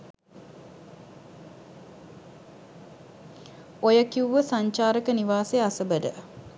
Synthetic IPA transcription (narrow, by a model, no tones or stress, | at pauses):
ojəkiuʋəsaɲt͡ʃaːɾəkəniʋaːseasəbədə̰